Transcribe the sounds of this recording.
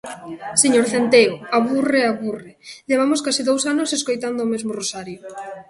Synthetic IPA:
seɲoɾθent̪eoaβureaβureʎeβ̞amʊskasiðowsanoseskojt̪and̪ʊːmezmʊrosaɾjo

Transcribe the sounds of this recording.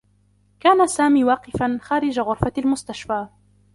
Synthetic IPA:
kaːnasaːmiːwɑːqɪfanxaːɾɪd͡ʒaɣʊɾfalmʊst̪aʃfaː

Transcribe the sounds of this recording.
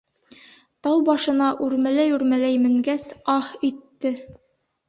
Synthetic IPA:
t̪ɑwbɑʃɤ̆nɑʔʉɾmælæjʉɾmælæjmɘ̆ŋɡæsɑhĭt̪ːɘ

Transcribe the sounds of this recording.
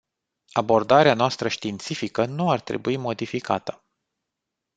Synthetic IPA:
abo̞rd̪aɾeanoast̪ɾəʃt̪int̪sifikənuart̪ɾe̞̰buimo̞d̪ifika̰t̪ə̥

